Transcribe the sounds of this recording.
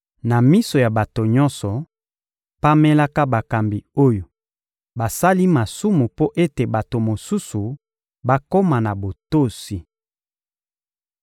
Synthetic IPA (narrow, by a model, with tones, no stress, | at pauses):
na˨mi˦so˨ja˨ba˨to˨ɲɔ˦nsɔ˨ | pa˦me˦la˦ka˦ba˨ka˨mbi˨o˦jo˨ | ba˨sa˦li˦ma˨su˦mu˨po˦ʔe˦te˨ba˨to˨mo˨su˦su˨ | ba˦ko˦ma˨na˨bo˨to˦˨si˨